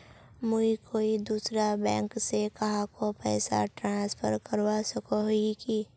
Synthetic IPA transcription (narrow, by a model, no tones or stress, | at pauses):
mʊikʰoːid̪uːsɾabɛ̃ːŋksekɐɦãkopɛːsa̰ʈɾãːnspʰə̰ɾkəɾwasɐkoɦiki